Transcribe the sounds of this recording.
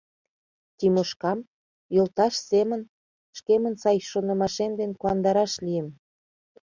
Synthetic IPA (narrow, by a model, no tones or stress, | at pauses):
t̪ʲimoʃkɑm | jolt̪ɑʃsemən | ʃkemənsɑjʃonə̆mɑʃemd̪enkoɑnd̪ɑɾɑʃliem